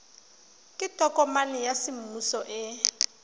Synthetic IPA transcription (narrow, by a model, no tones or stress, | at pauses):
kʼɪtʼɔkʼɔmalɪjasɪm̩usɔʔɪ